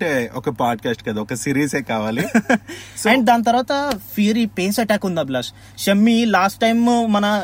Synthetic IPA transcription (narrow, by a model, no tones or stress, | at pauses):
ɐɳʈeɔkɐpaːɖkaːsʈkɐd̪aɔkɐsiːɾiːseːkaːʋaːli | sɛɳɖd̪aːnɐt̪̬ɐɾʋaːt̪ɐpʰiɾipeːsɐʈaːkund̪ablɐs | ʃɐmːilaːsʈːɐjmːɐnɐ